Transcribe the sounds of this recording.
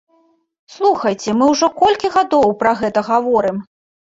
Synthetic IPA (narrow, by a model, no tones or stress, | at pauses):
slˠuxɐjt͡sʲɛmɨwʐɔkɔlʲkʲiɣad̪ɔwpɾɐɣɛt̪ɐɣavɔɾɨm